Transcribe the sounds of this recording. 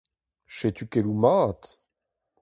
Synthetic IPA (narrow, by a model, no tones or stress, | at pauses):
ʃet̪ykelumaːt̪